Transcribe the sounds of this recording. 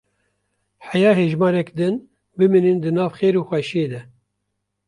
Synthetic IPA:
ħɛjɑːɦeːʒmɑːɾɛkd̪ɨn | bɨminind̪ɨnɑːvxeːɾuːxʷɛʃjeːd̪ɛ

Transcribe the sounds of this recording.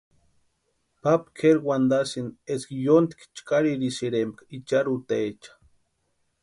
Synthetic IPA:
papkʰeɾwand̪asineskjont̪kt͡ʃkaɾiɾisiɾemb̚kit͡ʃaɾut̪eet͡ʃḁ

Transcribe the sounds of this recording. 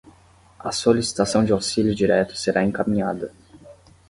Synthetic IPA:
ɐsolisi̥t̪asɐ̃w̃d͡ʒɪawsilʲjʊd͡ʒiɾɛt̪ʊ̥seɾʔaẽŋkamĩɲad̪ɐ

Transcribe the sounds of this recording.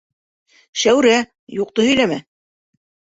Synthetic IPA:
ʃæwɾæ | juq̚t̪ɤhɵ̆jlæmæ

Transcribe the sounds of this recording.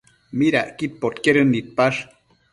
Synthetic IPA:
miɾa̰ʔkit̪̚pot̪keɾɨnːit̪̚paʂ

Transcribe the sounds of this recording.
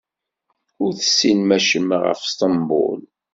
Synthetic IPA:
ʊɾθə̥sːinmæʃəmʁə̰fst̪ˤɑmbʊ̰l

